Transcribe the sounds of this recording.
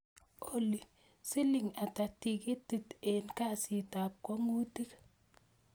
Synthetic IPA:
o˨li˨ | sɪ˦lɪ˨ŋa˨ta˨ti˨ki˦tːi˨tenka˦si˨ta˨p̚kɔ˦ŋu˦ti˦k

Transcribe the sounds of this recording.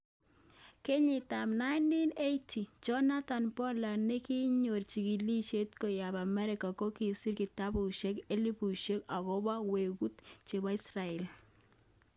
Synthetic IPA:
ke˦ɲɪ˨ta˨mna˦ɪndi˦ne˦jtʰi˨t͡ʃɔ˦na˦ta˨npɔ˦la˨ne˦ki˦ɲo˨rt͡ʃi˨ki˨li˦ʃe˦tko˨ja˨ba˨mɛ˦ɾɪ˨ka˨ko˦ki˨si˦rki˨ta˦bu˨ʃe˦ke˦li˦pu˨ʃe˦ka˨kɔ˦ba˦we˨ku˦tt͡ʃe˨ba˦i˦sra˨ɛ˨l

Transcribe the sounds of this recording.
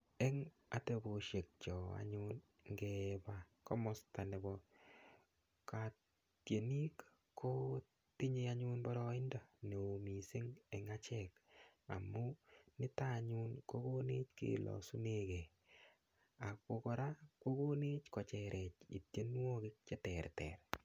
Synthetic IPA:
e˦ŋ | a˨te˧bo˨ʃje˨k̚t͡ʃɔ˨a̰˨ɲun | ŋɡeba | kɔ˦mɔ˦sta˨ne˨bɔ | ka˨ | tje˨ni˦kːʰ | o˦ | ti˦ɲeaɲunbɔ˦ɾɔ˦ɪ˦ndɔ˨ne˨o˨mi˨sɪ˦ŋɛ˨ŋat͡ʃɛka̰˨mu˦nɪ˦ta˦ɲu˦nko˦ko˦ni˦t͡ʃkḭlɔ̰˨su˦neke˨ | a˨ko˧kɔ˨ɾa˦ko˦ko˦ne˦t͡ʃkɔ˨t͡ʃɛɾʔɛ˨t͡ʃḭ˨tje˦n˦wo˦kɪk̚t͡ʃe˦tɛrtɛ̰ɾ

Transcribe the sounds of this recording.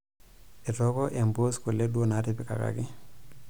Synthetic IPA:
e˨tɔ˦kɔ˦ʔe˨mbo˦sko˨le˦dwo˦na˨˦tɪ˦pɪ˦ka̰˨ka̰˨kɪ˦

